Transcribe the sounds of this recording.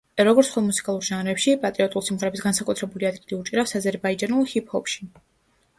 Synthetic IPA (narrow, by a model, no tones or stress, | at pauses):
ɾɔɡɔɾt̪sχwɛlˠmusi̥kʼalˠuɾʒanɾɛpʃipʼat̪ʼɾiɔt̪ʼulˠsimʁɛɾɛbisɡansakʼut̪ʰɾɛbuliad̪ɡiliut͡ʃʼiɾafsazɛɾbaid͡ʒanulˠhipʰhɔpʃi̥